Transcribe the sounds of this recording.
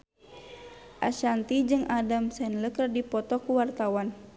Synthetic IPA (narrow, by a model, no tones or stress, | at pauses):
ʔa̰ʃant̪id͡ʒɨŋadamsɛnləkərdipɔt̪ɔkuwart̪awan